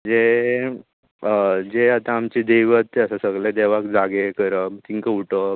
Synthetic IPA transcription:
d͡ze | d͡zeat̪ãamt͡ɕid̪eʋət̪ːeəsasəɡɭed̪eʋakd͡zaɡekəɾət̪ʰiŋkəuʈə

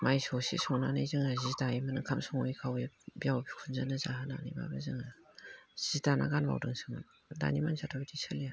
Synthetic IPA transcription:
majsɔsḭsɔŋnanɯjzɯŋazidaimanɯŋkʰamsɔŋɔjkʰawibijawbikʰunzanɯzaɦana̰nḭma̰bɯzɯŋa | zitana̰ɡanba̰wdɯŋsʰɯŋɯn | da̰nimansʰatʰabidisɯlija

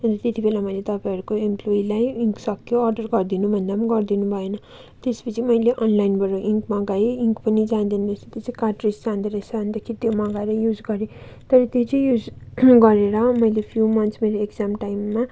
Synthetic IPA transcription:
ʌnt̪ʌt̪et̪ibelamʌjlet̪ʌpaɦʌɾukoemploilajiŋksʌkjoʌrɖʌrɡʌrd̪inubʱʌnd̪amaɡʌrd̪inubʱʌenʌ | t̪espʌt͡sʰimʌjleʔʌnlajnbʱʌɾoʔiŋkmʌɡaiiŋkpʌnid͡zand̪ind̪esʰit̪jet͡sĩkaʈrisd͡zand̪eɾʌsand̪ʌkʰit̪jomʌɡaeɾʌjud͡zɡʌɾẽt̪ʌɾʌt̪jot͡sʌ̃j̃jud͡zɡʌɾeɾʌmʌjlepʰjumʌnt̪smeɾoekd͡zamʈajmːa

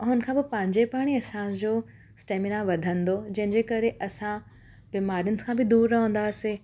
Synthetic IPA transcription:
ɦʊn̆kʰãːbɪpɐ̃ɦɪ̃ɲd͡ʑepaːɽ̃iɐsãd͡ʑoː | sʈeːmɪnaʋɐd̪ʱə̃nd̪od͡ʑɐ̃ɦɪ̃ɲd͡ʑeːkɐɾeʔɐsã | biːmaːɾijʊnɪ̆kʰãːbɪd̪uːɾːɐɦə̃n̆d̪aːse

